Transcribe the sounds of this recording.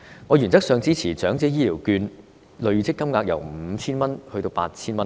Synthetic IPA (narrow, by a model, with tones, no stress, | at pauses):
ŋɔ˨˧jyː˨˩nt͡sɐ˥k̚sœː˨˧ŋt͡siː˥t͡sʰiː˨˩t͡ʃœː˨˥ŋt͡sɛː˨˥jiː˥liː˨˩wkyː˧n | lɵ˨˧ɥt͡sʰɪ˥kːɐ˥mŋaː˧k̚jɐ̰˨˩wm̩˨˧t͡sʰiː˥nmɐ˥nhɵ˧t̪o˧wpa̰ː˧t̚t͡sʰiː˥nmɐ˥n